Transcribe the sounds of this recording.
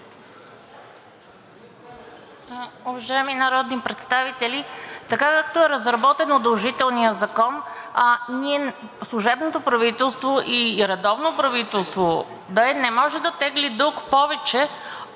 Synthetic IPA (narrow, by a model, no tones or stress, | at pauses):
ʊvɐʒajɛminɐɾɔd̪nipɾɛt̪st̪avit̪ɛlʲit̪ɐkakakt̪ɔɛɾɐzɾɐbɔt̪ɛnod̪ɐlˠʒit̪ɛlˠnijəzɐkɔn | niɛ | slˠʊʒɛbnot̪opɾɐvit̪ɛlˠst̪voʔiɾɛd̪ɔvnopɾɐvit̪ɛlˠst̪vo | d̪ɐɛnɛmɔʒɛd̪ɐt̪ɛɡlid̪ukpɔvɛt͡ʃɛ